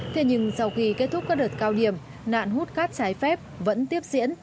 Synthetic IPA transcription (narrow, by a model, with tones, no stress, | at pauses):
t̪ʰe˨˧˩ɲɨ˧ŋsa˧wxi˧ke˦˥t̚t̪ʰʊ˦˥k͡p̚kaː˦˥ɗəː˨˩t̚kaː˧wɗi˧˩əm | na̰ː˧˨nɦu˦˥t̚kaː˦˥k̚t͡ɕaː˨˦jfɛ˦˥p̚və̰˧˥nt̪i˦˥əp̚zḭ˧˥ən